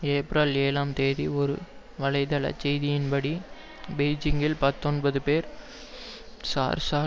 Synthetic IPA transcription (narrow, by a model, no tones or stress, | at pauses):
eːpɾɐleːlaːmt̪eːðiɔɾɯ̰ | ʋɐlɐɪt̪ɐɭɐ̰t͡ʃːɛjðɪjɪnbɐɽi | beɪd͡ʒɪŋɡɪlpɐt̪ːɔnbɐðɯpeːɾ | sa̰ːɾsaː